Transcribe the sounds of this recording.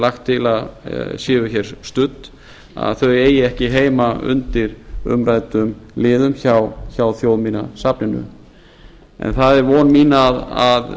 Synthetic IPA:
laxt̪ʰːɪlaðsjɪːvʏçɛɾ̥st̪ʏt̪n | a̰ðθœɥeːjɪɛhcɪɦeːjmaʏ̰nt̪ɪɾʏ̰mɾaːjt̪ʏmlɪːðʏmçawçawθjowðmiːna̰sapnɪnʏ̰ | ɛ̰nθaðɛɾvɔːnmiːnaða̰ð

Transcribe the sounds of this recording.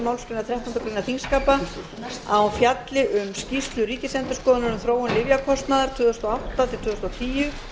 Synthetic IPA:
mawlskinat̪ɾɛht̪ɔnt̪akɾiːnaθiŋskaːpa | awfjat̪lɪʔʏmscist̪lʏɾiːcɪsɛnt̪ʏ̥skɔːðʏnʏɾʏmθɾoːwʏnlɪvjakʰɔst̪naðaɾ̥t̪ʰʏːðɔst̪ɔaawht̪at̪ʰɪlt̪ʰʏːðʏst̪ɔt̪ʰiːjʏ

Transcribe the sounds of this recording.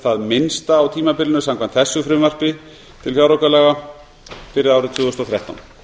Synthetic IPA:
θaðmɪnst̪aːwt̪ʰiːmapɪɾlɪnʏsamkʰvant̪θɛsːʏfɾʏːmvœr̥pɪ | t̪ʰɪlfjawɾɔwkalɛːɣa | fɪɾɪðaːwɾɪt̪ʰʏːɣʏst̪ɔθɾjaht̪a̰wn

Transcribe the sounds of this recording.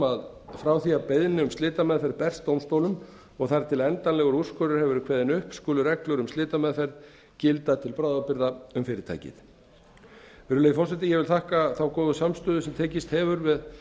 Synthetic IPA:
að | fɾawθiapejðnɪʏmst̪lɪːt̪amɛðfɛɾðpɛr̥st̪ːowmst̪owlʏm | ɔɣθaɾt̪ʰɪlɛnt̪anlɛɣʏɾuskœɾʏɾ̥hɛvʏɾkʰvɛːðɪnʏhpskʏːlʏɾɛklœɾʏmt̪lɪːt̪amɛðfɛɾð | cɪlt̪at̪ʰɪlpɾaːwðapɪɾðaʏmfɪːɾɪɾt̪ʰa̰jcɪ̰ð | fɛːɾʏleːjðfɔrsɛt̪ɪjɛvɪlθahkaθawkɔːðʏsamst̪ʏːðʏsɛmt̪ʰeːcɪst̪hɛːvʏɾvɪð

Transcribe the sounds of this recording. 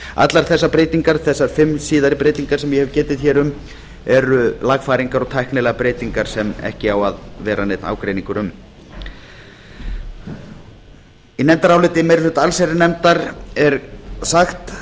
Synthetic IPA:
a̰t̪laɾ̥θɛsːapɾeːjt̪iŋkaɾ̥θɛsːaɾ̥fɪmːsiːðaɾɪpɾeːjt̪iŋkaɾ̥sɛmjɛhɛvcɛːt̪ɪðçɛːɾʏm | ɛɾʏlaɣfaːɾiŋkaɾɔɣt̪ʰajknɪlɛɣapɾeːjt̪iŋkaɾ̥sɛmɛ̰hcɪawaðvɛːɾanejt̪na̰ːwkɾejniŋkʏɾʏm | inɛnt̪aɾawlɪt̪ɪmɛɾθʏt̪alsɛɾɪnɛmt̪aɾɛɾsaxt̪

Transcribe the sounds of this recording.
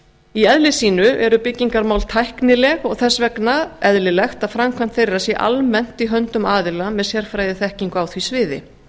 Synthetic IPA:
iɛðlɪsiːnʏʔɛɾʏpɪcːiŋkaɾmawlt̪ʰajhknɪlɛɣɔɣθɛsːvɛknaɛðlɪlɛxt̪aðfɾamkʰvam̥t̪θejrːasjɛʔa̰lmɛn̥t̪iɦœnt̪ʏmaːðɪlamɛðsjɛr̥fɾajðɪθɛhciŋkʏawθvisvɪːðɪ̰

